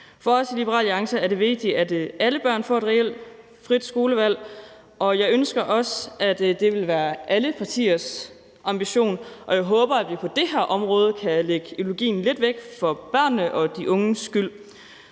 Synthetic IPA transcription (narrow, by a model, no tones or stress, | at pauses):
fɒɒsʰilib̥əʁɑ̰ːlɑ̈ŋsɐæɐɾe̝ʋe̝ɡ̥̚d̥iæd̥ʔæləb̥ɶɐ̰nfɒed̥ʁɛel̰d | fʁid̥sɡ̥o̝ːləʋæl̰ | ʔɒ̽jɑ̈ɪønsɡ̥ɐʔɒ̽sæd̥e̝ʋe̝lʋæːɐʔæləpʰɑ̈t͡sʰḭːɐs | ʔɑ̈mb̥iɕo̝̰ːnʔɒ̽jɑ̈ɪɦɔ̽ːb̥ɐæd̥ʋipʰɒ̽d̥e̝hæɐ̰ʔɒ̽mʁɔ̽ːð̞ˠəkʰæleɡ̥əelo̝ɡ̥ḭːn̩le̝d̥ʋeɡ̥fɒ̽b̥ɶɐ̰nːəʔɒ̽d̥iʔɔ̽ŋəsɡ̥yl̰